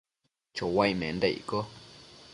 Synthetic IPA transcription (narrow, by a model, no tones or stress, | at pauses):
t͡ʃowajmḛ̃nd̪eḭko